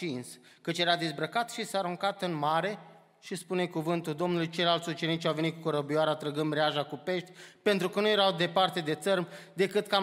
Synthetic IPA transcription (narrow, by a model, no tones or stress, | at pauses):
ins | kət͡ʃje̞ɾad̪izbɾəkat̪ʃisaːɾuŋkat̪ɨnmaɾe̞ | ʃispune̞kuvɨnt̪uld̪o̞mnulujt͡ʃe̞jlalt̪sʲut͡ʃe̞nit͡ʃʲawve̞nit̪kukəɾəbioaɾat̪ɾəɡɨnd̪ɾeaʒakupe̞ʃt̪ʲpe̞nt̪ɾukənuje̞ɾawd̪e̞part̪e̞d̪e̞t̪sərd̪e̞kɨt̪ka